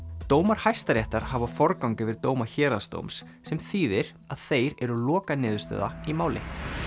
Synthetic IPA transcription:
t̪oːwmaɾ̥hajst̪aɾjɛht̪aɾ̥havafɔɾkawŋkɪvɪɾt̪oːwmaçɛːɾast̪o̰wmsːɛmθiːðɪɾ̥ | aðθeːjɾɛɾʏlɔːkanɪːðʏ̥ɾst̪œ̰ːða̰imaːwlɪ̰

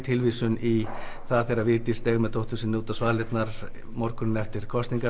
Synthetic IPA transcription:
t̪ʰɪlvisʏniθaðθɛɾavɪːt̪ɪst̪ɛːɣmɛðt̪ʰowht̪ʏsɪnːuːt̪asvaːlɪt̪naɾ | mɔɾkʏnɪnɛft̪ɪɾ̥kʰɔst̪iŋka

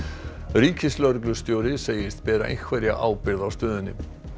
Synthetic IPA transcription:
riːcɪslœɾklʏst̪joːwɾɪseːjɪst̪pɛːɾa̰ʔḛjkʰvɛɾja̰ʔaːwpɪɾðawst̪œːðɪnːɪ̰

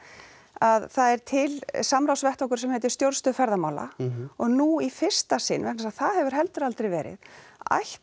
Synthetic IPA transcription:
aðθaðɛɾ̥t̪ʰɪlsamɾawsvɛht̪ɔhkʏɾsɛmhɛːt̪̬ʏ̥st̪jowɾst̪ʏfɛɾðamaːwla̰ɔɣnuifɪr̥st̪asɪnːvɛhknasaðθaðhɛvʏɾ̥ɦɛlt̪ʏɾalt̪ɾɛjvɛːɾɪ̰ða̰jh

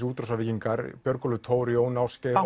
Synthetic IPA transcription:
uːt̪ɾɔsaviːciŋkaɾpjœɾkɔlʏt̪ʰoːwɾjownawsccɛ

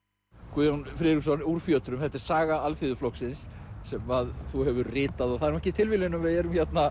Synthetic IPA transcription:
kʰuðjanfɾɪɾiksɔnuɾ̥fjœːt̪ɾʏmθɛt̪ɪɾ̥saːɣaalfiðʏflɔksɪnsːɛmaðθuhɛvʏɾrɪːt̪aðɔɣθaðɛɾmɛhcɪt̪ʰɪlvɪlɪnːʏmvɪðɛɾʏmçɛt̪na

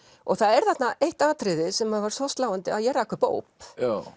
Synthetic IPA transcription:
ɔɣθaðɛɾ̥θat̪naʔejht̪aːt̪ʰɾɪðɪsɛmaðvaɾsɔst̪aːwant̪ɪaðjɛɾaɪhkʰvʏɾpo̰ːwpa

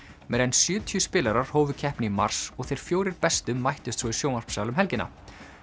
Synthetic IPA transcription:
mɛɾɛjnsjʏːt̪ʰiʏspɪːlaɾaɾ̥hoːwvʏcʰɛhpnɪima̰r̥sɔɣθejɾ̥fjoːwɾɪɾpɛst̪ʏmːajht̪ʏst̪sʰvɔisjownar̥psaːwlʏmɦɛlcɪna̰

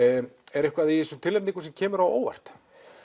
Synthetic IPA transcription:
ɛɾɛhkvaðisʏmt̪ʰɪlːejp̪niŋkʏsɛmcʰɛːmʏɾawo̰ːwva̰r̥t̪

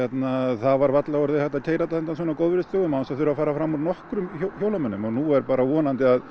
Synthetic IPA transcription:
jɛt̪naθavaɾvat̪laɔɾðɪhɛht̪ːacʰeːjɾat̪aθɛnt̪ans̬fɔːnakowðvʏɾɪst̪oːɣʏmawnsaθʏɾʏafaːɾafɾamːuɾnɔhkɾʏmçowlamœnːʏmɔɣnuɛɾpaːɾawɔːnant̪ɪað

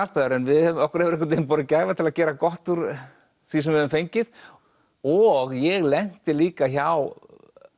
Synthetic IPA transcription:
ast̪aðʏɾɛnvɪðɛðmɔhkʏɾ̥ɛvɪɾɛhkʏ̥t̪emp̬ɔːɾɪcaːjvat̪ʰɪlaðcɛːɾakɔht̪uɾ | θis̬ɛmvɛðʏmfejɲcɪð | ɔɣjɛɣlɛn̥t̪ɪliːkaçaw

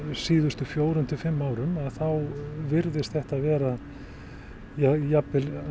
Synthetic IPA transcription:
siːðʏst̪ʏfjoːwɾʏnt̪ʰɪfɪmːaːwɾʏmaðθawvɪɾðɪst̪θɛht̪aðvɛːɾa | jajapːɪl

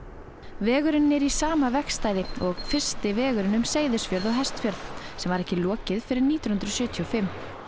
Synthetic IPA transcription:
vɛːɣʏɾɪnːɛɾisaːmavɛkst̪aːjðɪɔɣfɪr̥st̪ɪvɛːɣʏɾɪnʏmseːjðɪsfjœɾðɔɣɦɛst̪fjœɾðsɛmvaɾɛhcɪlɔːcɪðfɪɾɪɾniːt̪jɔnhnt̪ɾɔsjœːt̪ʰiɔfɪmː

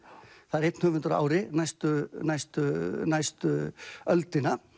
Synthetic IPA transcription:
θaðɪɾejt̪nhʏːvʏnt̪ʏɾa̰ːwɾɪnajst̪ʏnajst̪ʏnajst̪ʏœlt̪ɪna

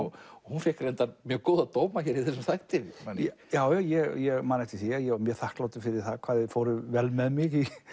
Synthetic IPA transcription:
hunfɛhkɾɛnt̪aɾmjœːɣkoːwðaðt̪oːwmaçɛɾiθɛs̬ɛmθajht̪ɪvɪjaːwjajɛɣjɛɣmaːnɛht̪ɪθijajɛɔmjɛθahk̪lawt̪ɪfɪɾɪɾ̥θaðkʰv̥aːðɪðfowɾʏvɛlmɛðmɪɣi

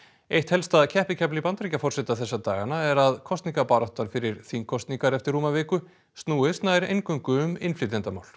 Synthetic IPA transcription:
ejht̪hɛlst̪aðcʰɛhpɪcʰɛplipant̪ɾicafɔrsɛt̪aθɛsːat̪aːɣanaɛɾaðkʰɔst̪niŋkapaːɾɔht̪anfɪɾɪɾ̥θiŋkʰɔst̪niŋkaɾɛft̪ɪɾːuːmavɪːkʏ | st̪nuːɪst̪najɾḛjŋkʏŋkʏʏmɪnflɪt̪ɛnt̪ama̰ːwl̥

